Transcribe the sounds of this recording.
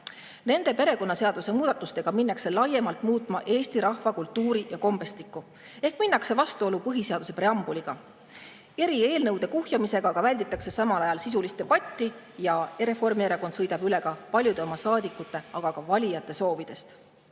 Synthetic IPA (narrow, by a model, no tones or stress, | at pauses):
ne̞nd̪̥e̞pe̞ɾe̞ko̞nːɑse̞ɑd̪̥use̞muːd̪ɑt̪ːˑust̪e̞ɡ̥ɑminːɑkse̞lɑje̞mɑlt̪muːt̪ˑmɑʔe̞ːst̪iɾɑhvɑkult̪ːuːɾijɑko̞mbe̞st̪ikːˑu | e̞hkminːɑkse̞vɑst̪uo̞lupɤɦise̞ɑd̪us̬e̞preɑmbuliɡ̥ɑ | e̞ɾie̞ːlnɤwd̪̥e̞kuhjɑmise̞ɡ̥ɑkɑvælʲd̪̥it̪ˑːɑkse̞sɑmɑlɑjɑlsis̬ulist̪e̞b̥ɑt̪ʲːi | jɑeɾe̞fo̞rmieɾeko̞nd̪̥sɤjd̪ɑb̥yle̞ɡ̥ɑpɑlʲjud̪e̞o̞mɑsɑːd̪̥ikːˑut̪ːˑe̞ɑɡ̥ɑkɑvɑlʲijɑt̪ːˑe̞so̞ːvid̪̥e̞st̪